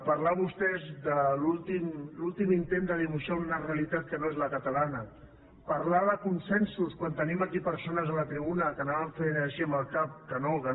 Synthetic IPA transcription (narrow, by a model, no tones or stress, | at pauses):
pəɾlaβust̪ɛzd̪əlulˠt̪imlulˠt̪imint̪end̪əðiβ̞uʃaunəreəlit̪at̪̚kənoezləkət̪əlanə | pəɾlaðəkunsɛnsuskwant̪əniməkipəɾsonəzələt̪ɾiβunəkənaβəɱfeɾəʃiəmbəlˠkap̚kənokə